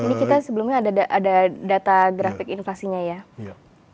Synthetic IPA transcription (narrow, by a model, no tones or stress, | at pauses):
inikit̪asəbəlumɲaːdaaʔadadat̪aɡɾafɪkinflasiɲaja